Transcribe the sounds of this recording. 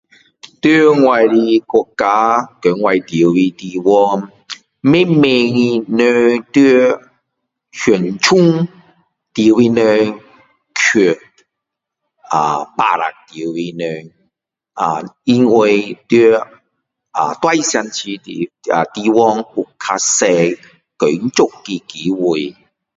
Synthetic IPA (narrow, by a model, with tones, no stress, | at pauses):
t̪i˦ŋwa˨jli˧ko˧kːa˧kə˨˦ŋwa˧˩jt̪ji˨˦i˧t̪i˧wɔ˧ŋ | mẽ˦me˧ŋi˧nə˧t̪i˦ | hu˨˩nt͡ɕʰu˦ŋ | t̪ji˨˦wi˧nə˧ | kʰu˨˩ | a̰˨pa̰˧˨ɾa̰˨k̚t̪i˨˦wi˧nə˧ | a˨˩i˧nwe˧jt̪ə˦ | a̰˨t̪wa˧jsja˧nt͡ɕʰi˧t̪ḭ˨a˨t̪i˧wɔ˦˧ŋu˨˩kʰːa˧sɛ˧ | kə˨˦n˦t͡so˦˧kkːi˧˩ki˨˦wu˨˧˩j